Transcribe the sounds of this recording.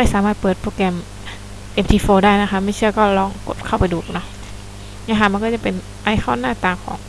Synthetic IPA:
a˥˩jsaː˨˦maː˥˩t̪̚pɤː˨˩t̪̚pɾoː˧kɛː˧m | t̪e˧˩mt̪ʰiː˧foː˧daː˥˩jna˦˥kʰa˦˥p̚ma˥˩jt͡ɕʰɯ˥˩ɐkɔː˥˩lɔː˧˩ŋko̰˨˩t̪̚kʰa˥˩wpa˧jduː˨˩nɔ˧˥˩ | nːʰ˧˥˩a˧˩ma˧nkɔː˥˩t͡ɕa˨˩pe˧n | ʔa˧jxʰɔː˥˩nːaː˥˩t̪aː˧˩kʰɔː˩˦ŋ

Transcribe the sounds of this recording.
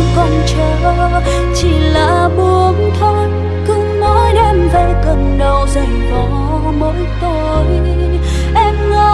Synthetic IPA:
kɔ˧˩nt͡ɕə˧˦ | t͡ɕi˧˩la̰ː˧˨˩ɓu˨˧˦ənt̪ʰɔ˧˦n | kɨ˧˦ŋ͡mŋɔ˨˧˦jɗɛ˧mvə˧˩kə˨˩nɗə˨˩wzə˨˩ŋvɔ˨˦ | mo˨˦jt̪o˧˩ | j | ʔɛ˧mŋə˨˧˦

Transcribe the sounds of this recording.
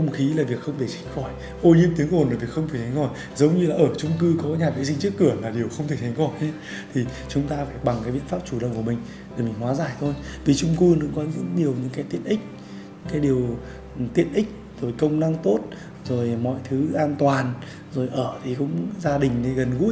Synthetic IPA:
xə˧wŋ͡mxi˨˦laː˨˩vi˨˩ək̚xə˧wŋ͡mt̪ʰe˧˩t͡ɕʰi˨˦ŋ̟xɔ˧˩j | ʔo˧˩ɲi˧mt̪i˨˦əŋʔo˨˩nlaː˨˩vi˨˩əkxə˧wŋ͡mt̪e˧˩t̪ʰŋxɔ˧˩j | zə˨˦wɲɨ˧laː˨˩ʔəː˧˩t͡ɕʊ˧ŋ͡mkɨ˧kɔ˨˦ɲaː˨˩ɓa̰˨˧˦js̬ï˧ŋt͡ɕɨ˦˥əkːɨ˧˩əlaː˨˩ɗi˨˩əwxə˧wŋ͡mt̪e˧˨˩k̚tʰa˨˦ŋxɔ˧˩jɛ˧˦ | t̪ʰi˨˩ | t͡ɕʊ˨˦ŋ͡mt̪aː˧faː˧˩jɓa˨˩ŋkaː˨˦ɓḭ˧˨ənfaː˦˥p̚t͡ɕu˧˩ɗə̰˧˨wŋ͡mkəmï˨˩ŋ̟ | e˨˩mï˨˩ŋ̟hwaː˨˦zaː˧˨˩jt̪ʰo˧jvi˨˩t͡ɕʊ˧ŋ͡mkɨ˧nɨ̰˧˥ŋ͡mkɔ˨˦zɨ̰˧˥nɗi˨˩əwɲɨ̰˧˥ŋkaː˨˦t̪ḭ˧˨ənʔï˦˥k̟̚ | kaː˨˦jɗi˨˩əw | t̪ḭ˧˥˨ənʔï˦˥k̟̚ | zo˨˩jkə˧wŋ͡mna˧ŋt̪o˦˥t̚ | zo˨˩jmɔ̰˧˨jt̪ʰɨ˨˦ʔaː˧nt̪waː˨˩n | zo˨˩jʔəː˧˩t̪ʰi˨˩kʊ̰˧˥ŋ͡mzaː˧ɗï˨˩ŋ̟ne˨˧ɣə˨˩nɣṵ˧˥ə

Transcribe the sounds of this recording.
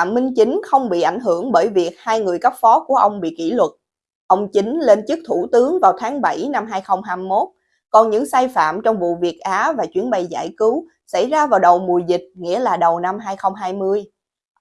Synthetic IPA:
a̰ː˧˨mmï˧ŋ̟t͡ɕï˨˦ŋ̟xə˧wŋ͡mɓḭ˧˨ʔa˧˩jŋ̟ɦɨ˧˩əŋɓəː˧˩jvi˨˩ək̚haː˧jŋɨ˨˩əjka˦˥k̚fɔ˨˦ku˧˩əʔə˧wŋ͡mɓḭ˧˨kḭ˧˩lwə˨˩t̚ | ʔə˧wŋ͡mt͡ɕi˨˦ŋ̟le˧nt͡ɕɨ˦˥k̚t̪ʰu˧˩t̪ɨ˨˦əŋvaː˨˩wt̪ʰaː˨˦ŋɓa˧˩jna˧mɦaː˧jxə˧wŋ͡mɦaː˧mmo˦˥t̚ | kɔ˨˩nɲɨ̰˧˥ŋsaː˧jfa̰ː˧˨mt͡ɕɔ˧wŋ͡mvṵ˧˨vi˨˩ək̚ʔaː˨˦vaː˨˩t͡ɕwi˨˦ənɓə˧˩jza̰ː˧˩jkɨ˨˦w | sa̰˧˩jzaː˧vaː˨˩wɗə˨˩wmu˨˩əjzï˨˩k̟̚ŋḭ˧˥əlaː˨˩ɗə˨˩wna˧mɦaː˧jxə˧wŋ͡mɦaː˧jmɨ˧əj

